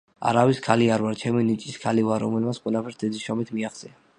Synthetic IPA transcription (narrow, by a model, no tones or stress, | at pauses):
a̰ɾawiskʰaliaɾvaɾt͡ʃʰɛminit͡ʃʼiskʰalivaɾɔ̰mɛlmat̪sqʼwɛlapʰɛɾsd̪ɛd̪isʃɔmit̪ʰmiaχt̪sʼɛna